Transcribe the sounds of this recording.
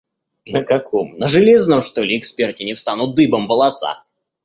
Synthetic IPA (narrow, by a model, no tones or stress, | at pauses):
nəkɐkʰomnəʐɨlʲeznəmʂt̪olʲɪɪkspʲertʲɪnʲɪfst̪anʊt̪̚d̪ɨbəmvəlˠɐsa̰